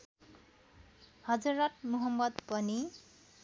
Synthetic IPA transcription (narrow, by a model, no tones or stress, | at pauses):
hʌd͡zuɾʌt̚muɦʌmːʌd̪pʌni